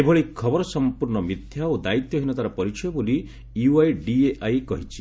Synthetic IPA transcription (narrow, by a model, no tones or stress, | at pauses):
ebʱɔɭikʰɔbɔɾɔsɔmpuɾɳɔmit̪jaod̪ait̪jɔɦinɔt̪aɾɔpɔɾit͡ʃʰɔjɔboli | juajɖieʔajkɔɦit͡ʃʰi̥